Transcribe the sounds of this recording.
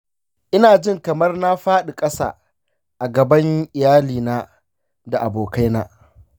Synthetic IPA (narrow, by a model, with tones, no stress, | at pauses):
ʔɪ˦naː˨d͡ʒɪ˦ŋkɐ˨mɐ˦rna˦ɸaː˦ɗi˨kʼɐ˦sa̰ː˨ | ʔa˨ɡɐ˨bɐ˦ŋʔɪ˨jaː˦liː˨naː˦ | da˨ʔa˨boː˨ka˦jna̰ː˦